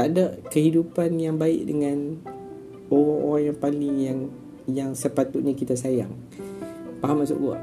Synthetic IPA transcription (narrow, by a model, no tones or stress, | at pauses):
adakəɦidupanjaŋbaɪ̰ʔdəŋãn | oɾaŋʔo̰ɾaŋjaŋpalɪŋjaŋ | jaŋsəpat̪uʔ̪̚ɲakit̪asajaŋ | paɦamasṵʔɡua̰ʔ